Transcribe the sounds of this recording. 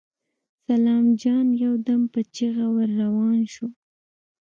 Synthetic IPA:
salɑmd͡ʒɑnjawd̪ampət͡ʃiɣawəɾːawɑnʃu

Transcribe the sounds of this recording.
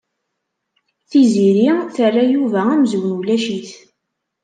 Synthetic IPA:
θiziɾiθərːajuvææmzwənulæʃiθ

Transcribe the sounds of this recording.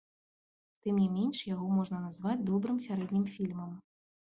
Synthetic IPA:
t̪ɨmnʲimʲenʂjaɣɔmɔʐnɐnazvad͡zʲd̪ɔbɾɨmsʲaɾɛd̪ʲnʲimfʲilʲmɐm

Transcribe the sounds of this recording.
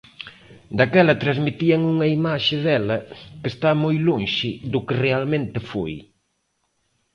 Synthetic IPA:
d̪akɛlɐt̪ɾazmit̪iɐŋuŋɐimaʃɪðɛlɐkest̪amojloŋʃɪðʊkɪrealmẽnt̪ɪfoj

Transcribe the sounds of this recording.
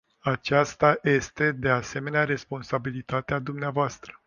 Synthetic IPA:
at͡ʃast̪aje̞st̪e̞d̪e̞ase̞me̞neaɾe̞spo̞nsabilit̪at̪ead̪umneavoast̪ɾə̥

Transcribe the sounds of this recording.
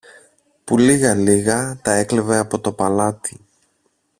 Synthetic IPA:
puliɣɐliɣɐt̪ɐe̞kleve̞ɐpo̞t̪o̞pɐlɐt̪i

